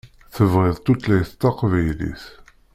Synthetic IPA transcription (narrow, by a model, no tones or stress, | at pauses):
θəvʁɪðˤt̪ːut̪læjθt̪ːɑqvæjlḭθ